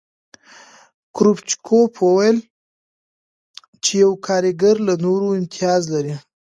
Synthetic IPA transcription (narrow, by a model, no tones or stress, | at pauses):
kɾupt͡ʃkʰopʰwowajl | t͡ʃejawkʰɑɾɪɡaɾlanoɾoɪnt̪ɪɑzlaɾi